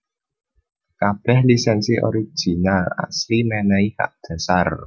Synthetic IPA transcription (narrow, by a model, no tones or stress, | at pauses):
kab̥ɛhlisɛnsiʔɔ̰ɾi̥ʒ̥i̤nala̰slimɛnaiha̰ʔd̪̥a̤sar